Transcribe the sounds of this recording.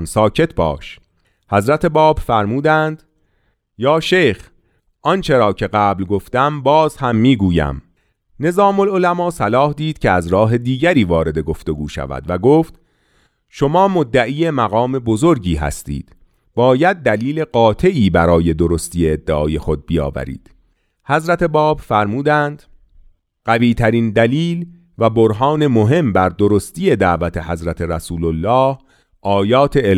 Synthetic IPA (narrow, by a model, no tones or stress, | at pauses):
nsɒːcʰe̞t̪ʰbɒ̰ːʃ | hæzɾæt̪ʰe̞bɒːbfæɾmuːd̪ænd̪̥ | jɒːʃejx | ʔɒnt͡ʃʰe̞ɾɒːcʰe̞ɡæːblɡo̞ft̪æmbɒːzhæmːiːɡuːjæ̰m | ne̞zɒːmolo̞læmɒːsælɒːhd̪iːd̪̥cʰe̞æzɾɒːɦe̞d̪iːɟæɾiːvɒːɾe̞d̪e̞ɡo̞ft̪o̞ɡuːʃæ̰væ̰d̪væɡoːft̪ | ʃo̞mɒːmod̪ːæʔiːjemæɣɒːme̞bozo̞ɾɟiːɦæ̰st̪ḭːd̪̥ | b̥ɒːjæd̪̚ːæliːle̞ɢɒːt̪ʰe̞ʔiːbæɾɒːje̞d̪oɾost̪iːjeːd̪ːeʔɒːje̞xo̞d̪̚bijɒ̰ːvæ̰ɾḭːd̪̥ | hæzɾæt̪ʰe̞bɒːbfæɾmuːd̪ænd̪̥ | ɢ̥æviːt̪ʰæɾiːnd̪æliːl | væboɾɦɒːne̞moɦe̞mbæɾd̪oɾo̞st̪iːje̞d̪æʔvæt̪ʰe̞ɦæzɾæt̪ʰe̞ɾæsuːlolːɒːh | ʔɒːjɒːt̪ʰe